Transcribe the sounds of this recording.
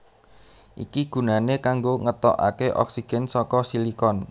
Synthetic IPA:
ʔḭkiɡ̥ṳnanekaŋɡoŋət̪ɔ̰ʔa̰keʔɔ̰ksiɡ̥ɛ̤nsɔkɔsilikɔn

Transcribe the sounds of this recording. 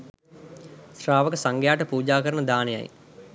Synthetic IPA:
sɾaːʋəkəsaŋɡjaːʈəpuːd͡ʒaːkəɾəɳəd̪aːneja̰j

